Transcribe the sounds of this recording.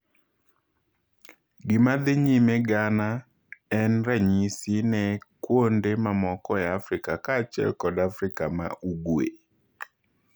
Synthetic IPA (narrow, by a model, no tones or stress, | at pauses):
ɡɪmad̪ɪɲimeɡana | ɛnɾaɲisinɛkwondemamɔkɔɛafɾɪkakaːt͡ʃɛ̰lkɔdafɾɪkama̰ʔuɡwḛ